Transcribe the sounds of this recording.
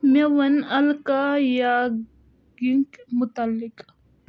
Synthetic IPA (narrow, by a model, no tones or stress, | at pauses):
mewɐnɐlkaja | ɡiŋkmʊt̪alːɪk